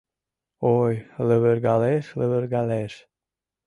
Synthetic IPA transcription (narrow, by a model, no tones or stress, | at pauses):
ojləβəɾɡɑleʃləβəɾɡɑleʃ